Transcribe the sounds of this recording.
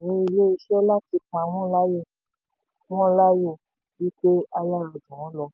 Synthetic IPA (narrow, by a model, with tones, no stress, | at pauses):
nĩ˧˦i˧le˦i˧ʃɔ˦la˦ti˧k͡pã˧˨mɔ̃˦la˦jo˦˨ | mɔ̃˦la˦jo˦˨ | wi˦k͡pe˦a˧la˦˨lɔ˨d͡ʒũ˨w̃ɔ̃˦lɔ˧